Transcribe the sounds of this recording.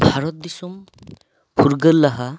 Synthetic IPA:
bʱaɾɔt̪̚d̪isum | puɾɡəlːaɦa

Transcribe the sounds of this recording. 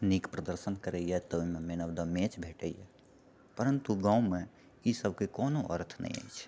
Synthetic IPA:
nikpɾəd̪əɾsənkəɾəjɛt̪ɔuimẽmeːnəbd̪amẽt͡ʃbʱeːʈəijɛ̰ | pəɾənt̪uɡãːũmẽ | isəbʱkekɔːnoʔə̰ɾt̪ʰnɛ̰ḭ̃ə̰jt͡ʃʰ

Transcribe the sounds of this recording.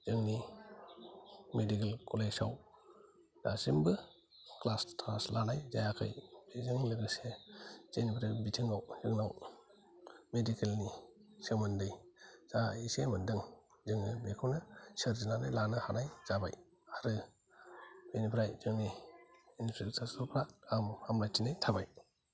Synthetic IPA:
z̥ɯŋni | medikelkʰɔlesaw | zasimbɯ | klastʰaslanajzajakʰɯ̰jbezɯŋlɯɡɯsez̥enipʰɾabitʰɯŋawzɯŋnaw | medikelnisemandɯjz̥aisemandɯŋ | zɯŋɯbekʰuwnasəɾd͡ʒinanɯlanahanajz̥aba̰j | haɾɯ | benipʰɾajzɯŋniinspʰɾektʰasupʰɾaamhamɾatinajtʰabaj

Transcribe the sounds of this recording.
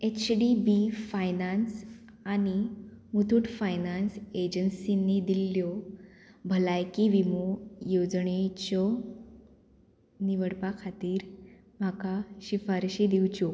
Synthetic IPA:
et͡ɕɖibifajnans | animut̪ʰuʈfajnansed͡ʑənsinːid̪iljɔ | bʱəlajkiʋimojod͡zɳet͡ɕɔ | niʋəɽpakʰat̪iːɾ | m̤akaɕifaɾɕid̪iwt͡ɕo

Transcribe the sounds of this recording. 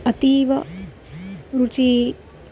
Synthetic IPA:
ɐt̪iʋɐ | ɾut͡ʃiː

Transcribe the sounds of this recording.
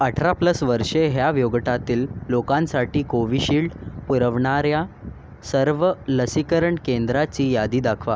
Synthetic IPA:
əʈʰɾapləsʋəɾʂeɦjaʋjoɡʈat̪iːlːokãnsaʈiːkoʋiːɕiːɭʈpuɾəʋɳaɾja | səɾʋələsikəɾəɳkend̪ɾat͡ɕiːjad̪iːd̪akʰʋa

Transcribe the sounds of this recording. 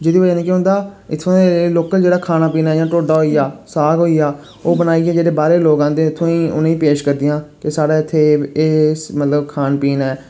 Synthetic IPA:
d͡ʒeːd̪iːəd͡ʒaːniːkɦʊ̃ːnd̪aːɪt̪ʰːõːeloːkəld͡ʒeːɽaːkʰaːnaːpiːnaːɛːd͡ʒãːʈoːɖaːɦoːiːjaːsaːɡɦoːijaː | oːbənaːiːeːd͡ʒeːɽeːbaːɾeːloːɡãːnd̪eːɪt̪ʰːõːĩːʊ̰nẽːĩːpeːʃkəɾd̪ɪjãːkɪsaːɽaːɪt̪ʰːeːeːmət̪ləbkʰaːnpiːnɛː

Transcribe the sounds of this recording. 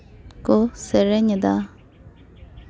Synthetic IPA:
koseɾeɲəd̪a

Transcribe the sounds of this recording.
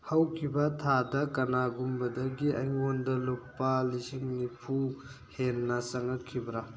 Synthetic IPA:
hɐwkʰibɐtʰadɐkɐnaɡumbɐdɐɡiʔɐ̰jŋondɐlupːɐlisiŋnipʰu | henːɐsɐŋɐtkʰːibɐɾa

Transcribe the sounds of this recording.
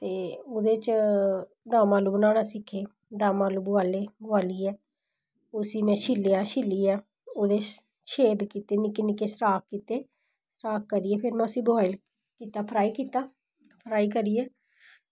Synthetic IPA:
t̪eːoːd̪eːt͡ʃ | d̪ãːmãːluːbənaːɽaːsɪkʰːeː | d̪ãːmãːluːbʊaːleːbʊaːliːɛː | ʊsĩːmɛ̃ːʃɪlːejaːʃɪlːiːɛː | oːd̪eː | ʃʰeːd̪kiːt̪eːnɪkeːnɪkeːsɾaːk̚kiːt̪eː | sɾaːkːəɾiːɛːpʰɪɾmɛ̃ːʊsĩːbaːɪl | kiːt̪aːpʰəɾaːiːkiːt̪aː | pʰəɾaːiːkəɾiːɛː

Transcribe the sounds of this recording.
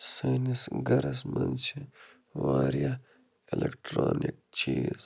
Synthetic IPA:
sɐːnisɡɐɾɐsmɐnt͡ʃʰi | ʋaːɾija | ilekʈɾoːnik̚t͡ʃiːz̥

